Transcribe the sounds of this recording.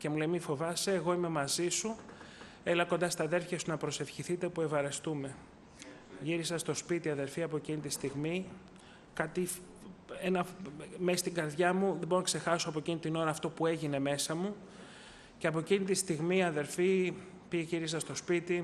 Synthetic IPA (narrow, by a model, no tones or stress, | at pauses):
ce̞mule̞jmifo̞vɐseːɣo̞ime̞mɐzisu | e̞lɐkond̪ɐst̪ɐðe̞ɾfçɐsunɐpɾo̞se̞fçiθit̪eopue̞vɐɾe̞st̪ume̞ | ʝiɾisɐst̪o̞spit̪iɐðe̞ɾfiɐpo̞ecinit̪ist̪iɣmi | kɐt̪i | enɐmesist̪iɡɐɾðʝɐmuðebo̞ɾonɐkse̞xɐsoɐpo̞ecinit̪ino̞ɾɐːft̪o̞pue̞ʝine̞me̞sɐmu | ceɐpo̞ecinit̪ist̪iɣmiɐðe̞ɾfi | piʝeʝiɾis̬ɐst̪o̞spit̪i